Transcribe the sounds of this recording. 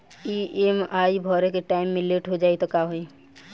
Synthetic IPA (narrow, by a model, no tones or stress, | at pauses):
iemaːibʱɔːɾekeʈaːɪmːɪleːʈɦod͡ʒaːit̪okaɦoi